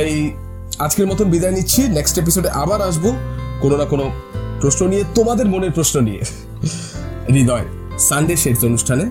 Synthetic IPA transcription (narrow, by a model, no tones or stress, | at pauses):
aj | ad͡ʑkeɾmɔt̪onbid̪aenitːɕʰineksʈep̬isoɖeʔabaɾaʃbokononakono | pɾosnonijet̪omad̪eɾmoneɾpɾosnonije | ɾid̪ɔe | saɳɖeʃeʈt̪onuʃʈʰane